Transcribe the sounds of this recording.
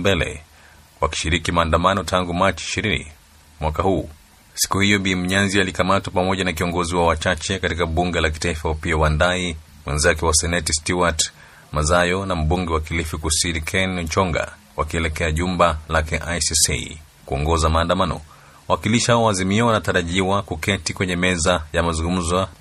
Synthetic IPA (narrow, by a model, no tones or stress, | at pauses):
bɛlɛ̰ | waki̥ʃiɾikimaːndamanɔtʰaŋɡumat͡ʃiiʃiɾinḭ | mwakahuː | si̥kuhijɔɓim̩ɲanzialikamatwapamɔʄanakiɔŋɡɔziwawat͡ʃat͡ʃɛkatikaɓuŋɡɛlak̬i̥taifaapiawandai | mwɛnzakɛwasɛnɛtistuwat | mazajɔnam̩ɓuŋɡɛwakilifukusinikʰɛnt͡ʃɔŋɡa̰ | wakiɛlɛkɛaʄumbalakɛʔajsisḭ | kuɔŋɡɔzamaːndamanɔ̰ | wawakiliʃihaɔwaːzimiɔwanataɾaʄiwakukɛtikwɛɲɛmɛzajamazuŋɡum̩za